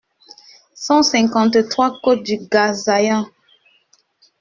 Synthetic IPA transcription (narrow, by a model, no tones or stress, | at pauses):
sɑ̃sɛ̃ŋkɑ̃nt̪ət̪χwakot̪̚d̪yɡazajã